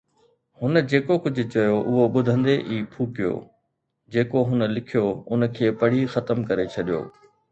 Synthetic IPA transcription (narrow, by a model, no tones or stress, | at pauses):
hʊnəd͡ʑeːkokʊd͡ʑʱʊ̆t͡ɕɐjoʔʊɦoɓʊd̪ʱə̃nd̪eʔiːpʰuːkijo̰ː | d͡ʑeːkoɦʊn̆lɪkʰijoʊnə̆kʰeːpɐɽ̤ixɐt̪əmkɐɾet͡ɕʰɐɗijo̰ː